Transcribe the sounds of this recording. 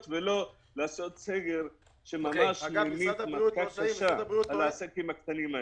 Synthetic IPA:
t̪velo̞ | leaso̞t̪seɡeɾ | ʃemamaʃmajmimakakaʃalaasekimakt̪animae

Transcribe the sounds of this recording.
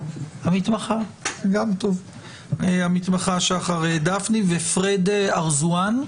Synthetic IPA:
hamit̪maχaɡamt̪ov | eamit̪maχaʃaχaʁed̪afnivefʁed̪eaʁzuan

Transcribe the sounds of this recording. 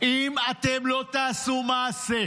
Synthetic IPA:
ʔimat̪emlo̞t̪aːsumaːse

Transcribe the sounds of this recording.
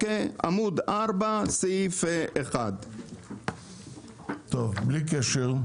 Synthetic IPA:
ea̰mud̪aɾbaseifeʔeχad̪ | t̪ovblik̬ɛʃɛl

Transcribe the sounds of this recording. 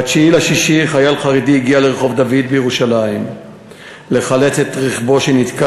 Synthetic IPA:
at͡ʃiilaʃiʃiχajalχaʁed̪iiɡialeʁeχo̞vd̪avid̪̚bejeʁuʃalaim | le̞χalet͡set̪ʁiχbo̞ʃenit̪ka

